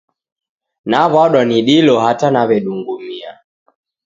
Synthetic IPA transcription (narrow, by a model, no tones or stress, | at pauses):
naβaɗwaniɗilɔhatanaβɛɗuŋɡumia̰